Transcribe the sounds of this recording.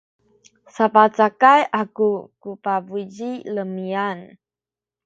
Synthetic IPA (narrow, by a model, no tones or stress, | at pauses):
sapat͡sakajʔakukupabud͡ʒiləmian